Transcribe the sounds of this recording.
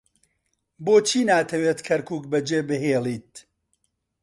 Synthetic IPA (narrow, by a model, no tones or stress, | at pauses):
boːt͡ʃʰiːnaːt̪ʰɐweːt̪kʰɐɾkuːkbɐd͡ʒeːbɨɦeːlˠiːt̪̚